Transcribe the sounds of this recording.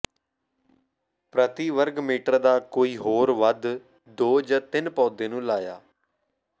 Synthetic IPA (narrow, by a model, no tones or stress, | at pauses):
pɾət̪iːʋəɾɡmiːʈəɾd̪aːkoːiːɦoːɾʋəd̪ | d̪oːd͡ʒaːt̪ɪnpɔːd̪ẽːnũːlaːja̰ː